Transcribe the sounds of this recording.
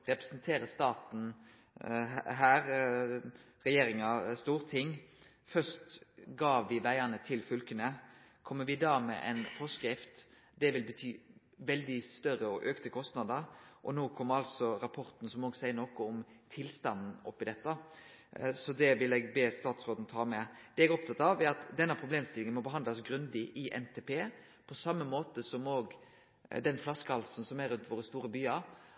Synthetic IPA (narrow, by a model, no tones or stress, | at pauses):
ʁɛpɾɛsənt̪ʰeːɾəst̪ɑːt̪n̩ | ɦæːɾ | ɾɛjeːɾɪŋɑst̪uːɾt̪ʰɪŋː | fœst̪ɡɑːʋʋɪʋæɪənət̪ʰɪlfʉlkənə | kʰɔmːəʋɪd̪ɑːmɛ̰ʔɛ̰nfɔʂkɾɪft̪ | d̪ɛʋɪlbət̪ʰyː | ʋɛld̪ɪst̪œɾəɔʔøːkt̪əkʰɔst̪nɑd̪əɾʔɔnoːkʰɔmːɑlsɔɾɑpʰɔɾt̪n̩sɔmoːɡsæɪənɔkɔɔm | t̪ʰɪlst̪ɑnn̩ɔ̰pːɪd̪ɛt̪ːə | sɔd̪ɛʋɪlɛɡbeːst̪ɑːt̪sʁoːd̪n̩t̪ʰɑːmɛd̪̥ɛɛɡɔp̚t̪ʰɑt̪ːɑʋɛɾɑt̪d̪ɛnːəpʰɾʊbleːmst̪ɪlɪŋənmɔbəɦɑnd̪ɑsɡɾʉnd̪ɪʔɪʔɛ̰nt̪ʰɛːpʰeː | pʰɔsɑmːəmoːt̪əsɔmoːɡ | d̪ɛnflɑskəhɑlsn̩sɔmæɾːʉnt̪ʋoːɾəst̪uːɾəbyːɑɾ